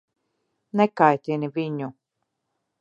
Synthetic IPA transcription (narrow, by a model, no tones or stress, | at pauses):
nekajt̪ʲiniviɲu